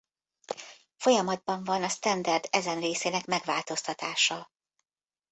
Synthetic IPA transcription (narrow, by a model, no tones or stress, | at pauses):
fo̞jɒmɒd̪̚bɒɱvɒnɒst̪ɛnd̪ɛrd̪ɛzɛnreːseːnɛkmɛɡvaːlt̪o̞st̪ɒt̪aːʃɒ